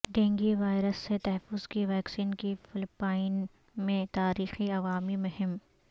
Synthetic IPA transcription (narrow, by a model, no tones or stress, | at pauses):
ɖẽːŋɡiʋaːɪɾəsːet̪ɐɦɛfːʊz̥kiʋɛːksiːnkifɪlpaːɪn | mẽt̪aːɾiːxiɐʋaːmimʊɦɪm